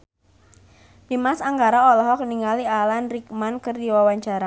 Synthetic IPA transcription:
dimasaŋɡaɾaɔlɔɦɔkniŋalialanrik̚mankərdiwawaɲt͡ʃaɾa

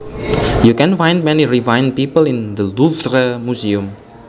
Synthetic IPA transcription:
jukɛ̃nfãj̃nd̚mɛniɹivãjn̚pipəlĩnd̪əluθɾəmusiũm

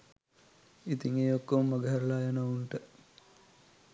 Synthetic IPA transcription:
it̪iŋeːokːommːɐɡəɦæɾəlaːjanɐuɳʈə

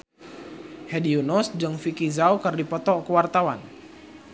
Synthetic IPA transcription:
hɛdiunɔsd͡ʒɨŋfikizawkərdipɔt̪ɔkəwart̪awan

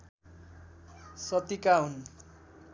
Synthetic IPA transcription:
sʌt̪ikaɦun

